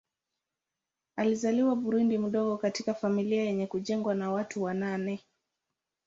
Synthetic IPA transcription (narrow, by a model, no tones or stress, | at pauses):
alizaliwaɓuɾundim̩ɗɔɠɔkatikafamiliajɛɲɛkuʄɛŋɡwanawatuwananɛ